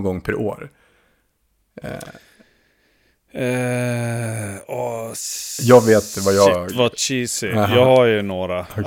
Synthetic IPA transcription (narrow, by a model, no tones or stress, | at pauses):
ɡɔŋːpʰæɾʔo̰ːɾ | ɛ | ɔ | jɑːɡveːt̪vajɑvat͡ʃiːsɪjɑːɡhajnoːɾa